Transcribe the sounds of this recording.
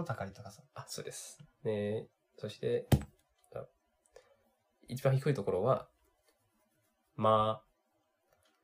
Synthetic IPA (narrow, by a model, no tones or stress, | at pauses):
ot̪akaɾʲit̪okasaso̞ːd̪e̞sɨ̥d̪e | so̞ɕi̥t̪e̞ | a̰ | it͡ɕibãçikɯ̟it̪o̞ko̞ɾo̞βa | ma